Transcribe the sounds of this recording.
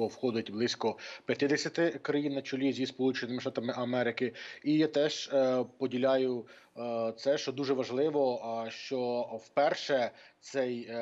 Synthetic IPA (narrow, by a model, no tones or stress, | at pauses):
ɔwxɔd̪ʊtʲblˠɪsʲkɔpʲjɐt̪ɪd̪esʲɐt̪ɪkɾɐjinːɐt͡ʃʊlʲizʲispɔlˠut͡ʃenɪmɪʃt̪ɑt̪ɐmɪʔɐmɛɾɪkɪijat̪ɛʒ̥pɔdʲilʲajʊ | t̪sɛʃt͡ʃɔd̪uʒɛʋɐʒlˠɪʋɔʃt͡ʃɔwpɛrʃɛt̪sɛj